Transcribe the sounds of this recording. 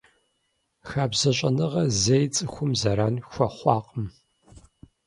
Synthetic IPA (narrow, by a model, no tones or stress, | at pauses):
xaːbzɐɕʷʼɐnɨʁɐzejt͡sʼɨxʷʊmzɐɾaːnxʷɐχʷɑːqʼəm